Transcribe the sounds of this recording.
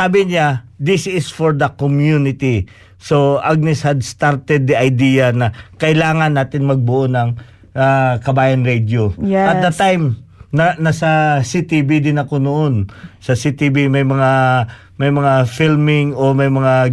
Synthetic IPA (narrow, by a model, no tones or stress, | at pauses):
saːbɪɲad̪ɪsɪsfoɹd̪ɐkomjunɪt̪i | soʔaɡ̚nɛshɐd̪st̪aɾt̪ɛd̪̚ːiʔɐjd̪iːjɐnɐkɐʔɪlaːŋɐnːaːt̪ɪnmɐɡ̚bʊʔonɐŋ | akɐbaːjɐnɹɛd̪joɐt̪d̪ɐt̪ajmnɐnɐsɐsit̪ibid̪ɪnɐko̞noʔonsɐsit̪ibimɐjmɐŋa | mɐjmɐŋafilmɪŋomɐjmɐŋa